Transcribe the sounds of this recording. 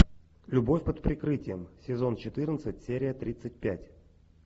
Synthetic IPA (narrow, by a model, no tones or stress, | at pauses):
lʲʊbo̞fʲpət̪pɾʲɪkɾɨtʲɪjəmsʲɪzo̞nt͡ɕɪt̪ɨrnət̪sɨtʲsʲeɾʲɪjət̪ɾʲit̪sɨt̚ʲpʲætʲ